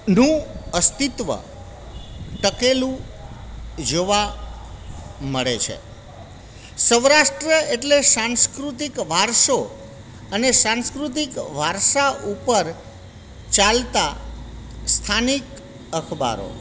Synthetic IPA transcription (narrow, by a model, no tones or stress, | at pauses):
nũəst̪it̪ʋə̰ | ʈ̪əkelũ | d͡ʒoʋa | məɭet͡ʃʰḛ | səʋɾaʃʈɾəeʈlesãnskɾut̪̬ikʋʱaɾʃo | ənesãnskɾut̪̬ikʋʱaɾʃaupəɾ | t͡ʃalt̪a | st̪ʰanik | əkʰba̰ɾo̰